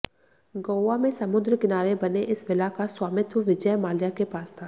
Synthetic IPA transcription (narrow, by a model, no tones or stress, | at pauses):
ɡoːwamẽsɐmʊd̪ɾkɪnaːɾebɐneʔɪsʋɪlakaswaːmɪt̪wəʋɪd͡ʒəjmaːljakepaːst̪ʰaː